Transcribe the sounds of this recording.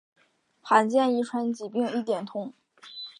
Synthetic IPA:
xa˧˥nt͡ɕjɛ˥˧ni˥˩ʈ͡ʂʰwa˧˥nt͡ɕi˨˩pi˥˧ŋi˥˩t̪jɛ˨˩nt̪ʰʊ˥˩˦ŋ

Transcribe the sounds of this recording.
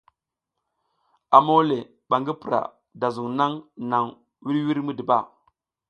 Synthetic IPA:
a˨mo˦le˨ | ɓa˨ŋɡi˦pə˨ɾa̰˨ | da˨zu˨ŋna˦ŋna˨ŋ | wi˦ɾwi˦ɾmu˦di˨ba˦˨

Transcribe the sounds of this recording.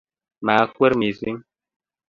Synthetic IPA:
ma˨˦kwɛ˦ɾmi˨zi˦ŋ

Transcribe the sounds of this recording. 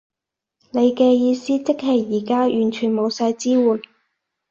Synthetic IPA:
ne˨˧jkɛː˧jiː˧siː˥t͡sɪ˥k̚hɐ˨˩jːiː˨˩kaː˥jʔyː˨˩nt͡ʃʰyː˨˩nmo˨˧wsaː˧jt͡siː˥wuː˨˩n

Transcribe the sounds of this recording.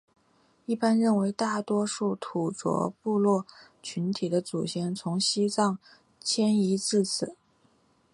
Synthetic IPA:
i˥˩pa˥nɻə˥˩nwe˧˥ɪt̪a˥˩t̪wɔ˥ʂu˥˩t̪ʰu˨˩t͡swɔ̰˧˥pu˥˧lwɔ˥˩t͡ɕʰy˧˥nt̪ʰi˨˩d̪ə˦t͡su˨˩ɕʰjɛ˧˥nt͡sʰʊ˧˥ŋɕi˥t͡sɑ˥˩ŋ | t͡ɕʰjɛ˥ni˧˥t͡sɹ̩˥˩t͡sʰɹ̩˨˩˦

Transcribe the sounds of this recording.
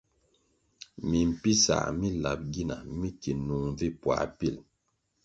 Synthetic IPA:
mi˨m̩˨pi˦sa̰˨mi˦la̰˨p̚ɡi˦na̰˨mi˦ki˨nu˨ŋ˨vi˦pwa̰˨pi˦˨l

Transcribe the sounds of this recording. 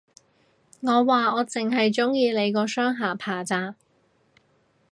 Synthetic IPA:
ŋɔː˨˧waː˨ɔː˨˧t͡sɪ˨ŋɦɐ˨jt͡sʊ˥ŋjiː˧le˨˧jkɔː˧sœː˥ŋɦaː˨˩pʰaː˨˩t͡saː˧

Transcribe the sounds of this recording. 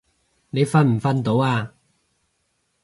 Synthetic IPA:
ne˨˧jfɐ˧nm̩˨˩fɐ˧nt̪o˨˥waː˧

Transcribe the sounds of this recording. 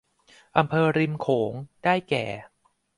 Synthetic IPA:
ʔa˧mpʰɤː˧ɾi˧mkʰoː˩˦ŋdaː˥˩jkɛ̰ː˨˩

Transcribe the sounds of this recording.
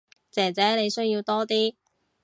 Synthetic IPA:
t͡sɛː˨˩t͡sɛː˨˥ne˨˧jsɵ˥ɥjiː˧wt̪ɔː˥t̪iː˥

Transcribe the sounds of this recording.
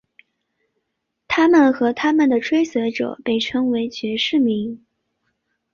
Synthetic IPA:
t̪ʰa˥mə˨nxɤ˧˥t̪ʰa˥mə˨nd̪ə˩ʈ͡ʂʰwe˥ɪswɛ˧˥ɪʈ͡ʂɤ̰˨˩˦pe˥˩ɪʈ͡ʂʰɤ˥ŋwe˧˥ɪt͡ɕɥɛ˧˥ʂɻ̩˥˩mi˧˥ŋ

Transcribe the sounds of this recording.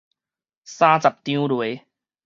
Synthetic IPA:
saː˦˥t͡sa˨p̚t̪ĩ˦ulwe˨˦

